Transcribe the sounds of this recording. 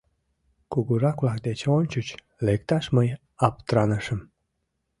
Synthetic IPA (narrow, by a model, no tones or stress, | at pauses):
kuɣuɾɑklɑk̚d̪et͡ɕonʲt͡ɕut͡ɕ | lekt̪ɑʃməj | ɑpt̪ɾɑnəʃəm